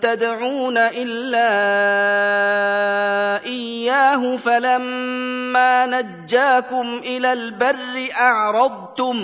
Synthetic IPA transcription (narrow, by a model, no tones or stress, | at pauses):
t̪ad̪ʕuːnaʔɪlːaː | ʔɪjjːaːɦʊfalamː | aːnad͡ʒːaːkʊmʔɪlaːlbarːɪʔɑʕɾˤɑd̪̚ˤt̪ʊm